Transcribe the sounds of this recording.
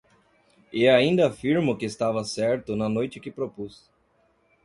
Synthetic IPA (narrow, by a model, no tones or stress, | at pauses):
eaĩnd̪ɐafiɾmʊkɪːst̪avɐsɛɾt̪ʊnɐnojt͡ʃɪkɪpɾopus